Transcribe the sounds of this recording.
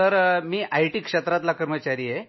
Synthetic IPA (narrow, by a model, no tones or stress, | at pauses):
əɾmiːʔajʈiːkʂet̪ɾat̪lakəɾmət͡ɕaɾiːje